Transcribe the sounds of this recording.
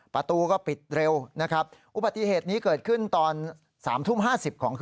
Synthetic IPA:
pɾa˧t̪uː˧kɔː˥˩pi˨˩t̪̚ɾe˧wna˦˥kʰa˦˥p̚ʔu˨˧ba˨t̪ːi˧heː˨˩t̪̚niː˦˥kɤː˨˩t̪̚kʰɯ˥˩nt̪ɔː˧n | saː˩˦mt̪ʰu˥˩mɦaː˥˩si˨˩p̚kʰɔː˩˦ŋkʰ

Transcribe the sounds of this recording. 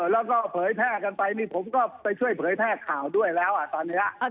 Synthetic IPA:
lɛː˦˥wkɔː˥˩pʰɤː˩˦jpʰɛː˥˩ka˧npa˧jniː˥˩pʰo˩˦mkɔː˥˩pa˧jt͡ɕʰu˥˩əjpʰɤː˩˦jpʰɛː˥˩kʰaː˨˩wdu˥˩əjlɛː˦˥wʔa˨˩t̪ɔː˧nːiː˦˥la˧˥ʔ

